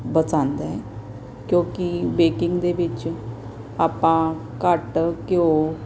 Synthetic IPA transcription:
bət͡sãnd̪a | kjõkibekiŋɡd̪ebit͡ɕ | apã | kaʈəkio

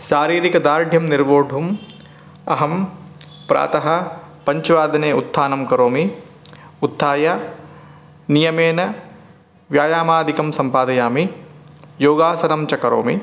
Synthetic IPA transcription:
ʃaːɾiːɾikɐd̪aːɾɖʱjɐmniɾʋoːɖʱum | ɐɦɐm | pɾa̰ːt̪ɐɦɐ̆ | pɐɲt͡ʃʋaːd̪ɐneːut̪ʰːaːnɐmkɐɾoːmi | ut̪ʰːaːjɐ | nijɐmeːnɐ | ʋjaːjaːmaːd̪ʱikɐmsɐmpaːd̪ɐjaːmi | joːɡaːsɐnɐmt͡ʃɐkɐɾo̰ːmḭ

